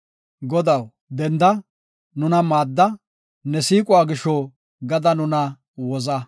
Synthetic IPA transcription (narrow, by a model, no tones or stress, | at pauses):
ɡɔd̪ɐw | d̪ɛnd̪ɐ | nʊnɐmaːd̪ːɐ | nɛsiːkʼʊwaːɡɪʃɔ | ɡɐd̪ɐnʊnɐ | wɔzɐ